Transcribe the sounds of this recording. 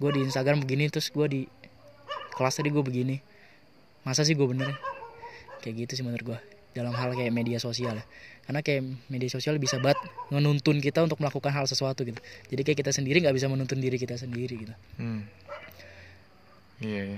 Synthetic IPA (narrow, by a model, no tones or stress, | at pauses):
ɡuadiːnst̪aɡɾambəɡinit̪ɾʊsɡuadi | kəlast̪adiɡuabəɡini | masas̬ɪhɡuabənərja | kajaʔɡit̪us̬ɪhbənərɡua | dalamɦalkajaʔmediasosialkarnakajaʔmediasosialbisabaət̪̚ŋənunt̪ʊnkit̪aunt̪ʊk̚məlakukanɦalsəswat̪uɡit̪ud͡ʒadikajakit̪asəndiɾiŋɡaʔbis̬amənunt̪ʊndiɾik̬it̪as̬əndiɾiɡit̪u | ijaja